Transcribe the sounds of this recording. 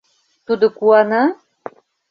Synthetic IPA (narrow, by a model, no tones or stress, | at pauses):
t̪ud̪ɨkʷuana